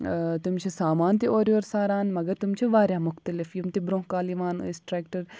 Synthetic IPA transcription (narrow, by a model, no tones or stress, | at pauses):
t̪ʊmt͡ʃʰesaːmaːnt̪eʔoːɾjoːɾsaːɾaːnmɐɡɐɾt̪ʊmt͡ʃʰeʋaːɾjãːmʊxt̪əlɪfjumt̪ebɾõːɦkaːliʋaːn̰sʈɾɛːkʈəɾ